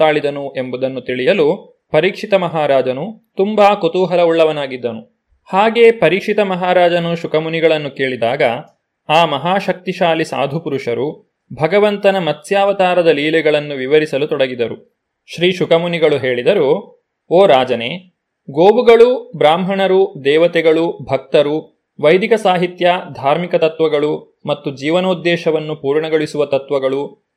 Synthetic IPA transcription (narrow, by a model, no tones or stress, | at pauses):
t̪aːɭid̪ɐnuʔe̞mbud̪ɐnːut̪iɭijɐlu | pɐɾiːkʂit̪ɐmɐɦaːɾaːd͡ʒɐnut̪umbaːkot̪uːɦɐlɐuɭːɐʋɐnaːɡid̪ːɐnu | haːɡe̞ːpɐɾiːkʂit̪ɐmɐɦaːɾaːd͡ʒɐnuʃukɐmuniɡɐɭɐnːuke̞ːɭid̪aːɡɐ | aːmɐɦaːʃɐk̚t̪iʃaːlisa̰ːd̪ʱupuɾuʂɐɾu | bʱɐɡɐʋɐnt̪ɐnɐmɐt̪ːjaːʋɐt̪aːɾɐd̪ɐliːlɛɡɐɭɐnːuʋiʋɐɾisɐlut̪ɔɽɐɡid̪ɐɾu | ʃɾiːʃukɐmuniɡɐɭuɦe̞ːɭid̪ɐɾu | oːɾaːd͡ʒɐneː | ɡoːbuɡɐɭubɾaːmɦɐɳɐɾud̪ɛːʋɐt̪ɛɡɐɭubʱɐk̚t̪ɐɾu | ʋɐjd̪ʱikɐsaːɦit̪jɐd̪ʱaːɾmikɐt̪ɐt̪ʋɐɡɐɭu | mɐt̪ːud͡ʒiːʋɐnoːd̪ːɛːʃɐʋɐnːupuːɾɳɐɡoɭisuʋɐt̪ɐt̪ʋɐɡɐɭu